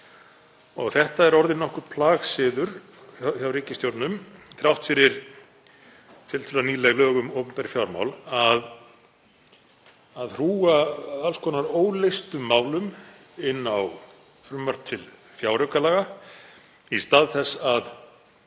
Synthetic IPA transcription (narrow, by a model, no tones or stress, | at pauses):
ɔɣθɛht̪aɛɾɔɾðɪnːɔhkʏɾ̥pʰlaːɣsɪːðʏɾ̥ | çawɾiːcɪst̪jowɾt̪nʏmθɾawht̪fɪɾɪɾ̥ | t̪ʰɪlt̪ʰɪlaniːlɛɣlœːɣʏmowpʏmnt̪aɾɪfjawɾma̰wlað | aðr̥uːaalskʰɔːnaɾoːwlejst̪ʏmːaːwlʏm | ɪnːaw | fɾʏmːaɾ̥t̪ʰɪl | fjawɾœkalaːɣa | ist̪aːðθɛsað